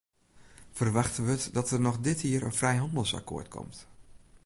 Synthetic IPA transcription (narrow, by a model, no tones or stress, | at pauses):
fərʋaxtənʋətdɔtərnɔχdɪtiərə̰nfrɛjɦɑndəlˠsa̰kʰo̰ːɹtkʰɔ̰mt